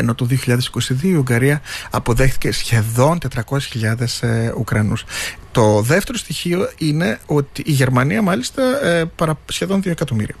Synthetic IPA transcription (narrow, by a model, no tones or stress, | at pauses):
eno̞t̪oðioçiʎɐðe̞si̥ko̞siðio̞iiuŋɡɐɾiɐɐpo̞ðe̞xθi̥ce̞sçe̞ðo̞nt̪e̞t̪ɾɐko̞sesçiʎɐðe̞sukɾɐnust̪o̞ðe̞ft̪e̞ɾost̪içio̞ine̞o̞t̪iʔːʝe̞ɾmɐniɐmɐlist̪ɐpɐɾɐsçe̞ðo̞nðioekɐt̪o̞mḭɾiɐ